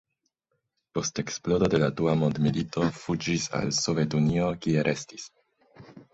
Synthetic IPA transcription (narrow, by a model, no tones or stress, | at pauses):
po̞ste̞ksplo̞do̞de̞laduamo̞ndmilitʰo̞fud͡ʒisa̰lso̞vetunio̞kie̞ɾʔe̞stis